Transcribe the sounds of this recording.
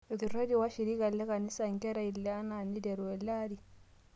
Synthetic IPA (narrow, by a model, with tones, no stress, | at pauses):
ɔ˨ki˨ɾo˦d͡ʒi˨wa˦ʃi˨ɾi˦ɡa˨lːɛ˦ka˨ni˦sa˨ŋkɛ˦ɾa˨i˨lːɛ˨a˦na˨nːi˦dɛ˨ɾwɛ˨laɾi˨